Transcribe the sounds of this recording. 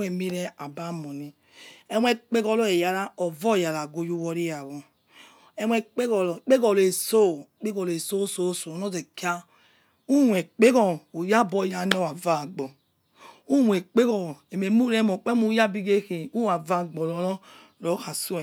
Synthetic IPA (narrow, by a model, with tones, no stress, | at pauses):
e˨mi˦ɾɛ˦a˨ba˦mɔ˨ni˦ | e˦wɛ˦k͡pe˦ɡɔ˦lɔ˦e˨ja˨ɾa˦ɔ˨vɔ˦˨ja˨ɾa˨ɡo˨ju˦wɔ˦ɾi˦ja˨ɣɔ˨ | e˦mʷ˦e˦k͡pe˦kɔ˨lk͡pe˦ɡɔ˨le˨so˦˨k͡pe˦ɡɔ˨le˨so˦so˦so˨nɔ˦ze˨ki˦a˦ | u˦wʷe˨k͡pe˦ɡɔ˨u˨ja˦bɔ˦˨ja˨˦nɔ˦wa˨va˦˨ɡ͡bɔ˨ | u˦wʷe˨k͡pe˦kɔ˨e˨me˨mu˦ɾe˦mo˨k͡pe˦mu˦ja˦bi˦ɡe˦ke˨u˦˨a˨va˦˨ɡ͡bɔ˨lɔ˨˦lɔ˦ | ɾo˨˦ha˨su˦˨